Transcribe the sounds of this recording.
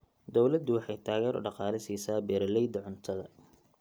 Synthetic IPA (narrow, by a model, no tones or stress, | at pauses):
d̪ɔwlɐd̪ʊwɑħɑjt̪ʰaːɣɛːɾʔʊ̰ɖɑqɑːlɪsiːsaːbɛːɾɐlɛjd̪ɐʕʊnt̪ʰɐðɐ̰